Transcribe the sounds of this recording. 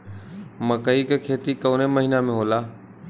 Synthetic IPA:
mə̃kəiːkekʰeːt̪ikəːneməɦiːnamẽɦoːlaː

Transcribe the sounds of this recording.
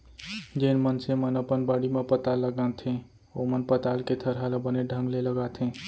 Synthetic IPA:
d͡ʒəinmənsemənəpənbəɽimepət̪alːəɡãt̪ʰẽ | omənpət̪alket̪ʰəɾɦalabəneɖʱə̃ŋɡleləɡat̪ʰɦẽ

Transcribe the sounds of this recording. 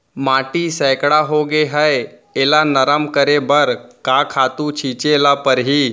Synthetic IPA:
maːʈisəjkɽaɦoɡeɦəj | eːlanəɾəmkəɾebəɾkakʰat̪ũt͡ʃʰiːt͡ʃelapəɾɦiː

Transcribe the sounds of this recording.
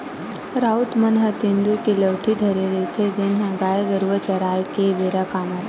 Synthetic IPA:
ɾaːʊt̪mɐnɦət̪ɪ̃nd̪ukiləʋʈʰid̪ʱɐɾeɾet̪ʰed͡ʒɪnɦə̃ɡaːjəɡəɾʋət͡ʃɐɾaːjkebeɾakaːmət̪

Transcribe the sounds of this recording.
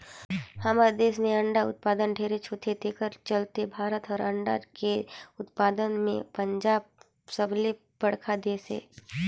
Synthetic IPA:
hamaɾd̪eːsmẽɐ̃ɳɖaʊ̰t̪̚paːd̪ənɖʱeːɾet͡ʃʰoːt̪ʰet̪ekəɾt͡ʃəlt̪ebʱaːɾət̪ɔːɾɐ̃ɳɖa̰keʊt̪paːd̪ənmḛ̃pə̃ɲd͡ʒaːb̚ | səble | bəɽ̤kʰad̪eːsḛː

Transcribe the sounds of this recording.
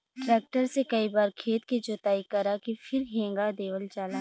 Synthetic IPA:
ʈɾɛːk̚ʈəɾsekɐibaːɾkʰeːt̪kid͡ʒoːt̪aːikɐɾakifʰɪɾɦẽːŋɡad̪eːʋəlt͡ʃaːlaː

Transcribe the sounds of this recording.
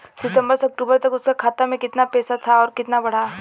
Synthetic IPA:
sɪt̪ə̃mbəɾsɐk̚ʈuːbəɾt̪ɐkʊskakʰaːt̪amẽkɪt̪napɛːsat̪ʰaɔːɾkɪt̪nabɐɽ̤aː

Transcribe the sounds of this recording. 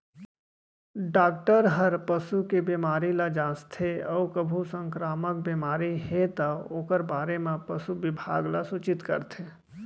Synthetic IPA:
ɖaːk̚ʈəɾɦəɾpəsukebimaːɾilad͡ʒãːst̪ʰeɔːʊkəbʱusə̃ŋkɾaːmək̚bimaːɾihet̪əoːkəɾbaːɾemẽpəsubɪbʱa̰ːɡlasut͡ʃɪt̪kə̰ɾt̪ʰe

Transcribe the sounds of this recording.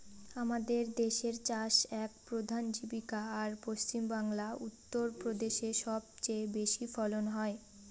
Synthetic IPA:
amad̪eɾd̪eʃeɾt͡ɕaʃɛk̚pɾod̪ʱand͡ʑibikaːɾpost͡ɕimbaŋlaut̪ːoɾpɾod̪eʃeʃɔb̚t͡ɕajbeʃifɔlonɦɔe

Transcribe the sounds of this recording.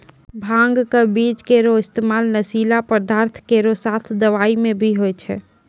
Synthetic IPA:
bʱãŋɡkebit͡ʃkeɾoɪst̪emalnəsilapəɾd̪aɾt̪ʰkeɾosat̪ʰd̪əʋaimẽbʱiɦojt͡ʃʰɛ̰

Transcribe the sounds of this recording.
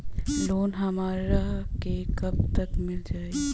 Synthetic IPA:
loːnɦəmaːɾɾəɦkekəb̚t̪əkmɪld͡ʒaːe

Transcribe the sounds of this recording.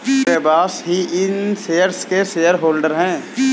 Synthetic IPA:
eːbaːsɦiɪnseːəɾskeseːəɾɦoːlɖəɾɦɛ̃ː

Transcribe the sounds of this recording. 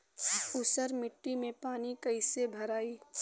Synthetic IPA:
ʊsəɾmɪʈːimẽpaːnikɐɪsebʱɐɾaːiː

